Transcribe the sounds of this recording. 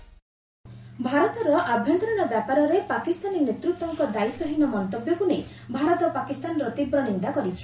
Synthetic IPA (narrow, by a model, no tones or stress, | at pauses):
bʱaɾɔt̪ɔɾɔʔabʱjɔnt̪ɔɾɔɽ̃ɔbjapaɾɔɾepakist̪aninet̪ɾut̪ɔŋkɔd̪ait̪ːɔɦinɔmɔnt̪objɔkunej | bʱaɾɔt̪ɔpakist̪anɔɾɔt̪ibɾɔnind̪akɔɾit͡ʃʰi̥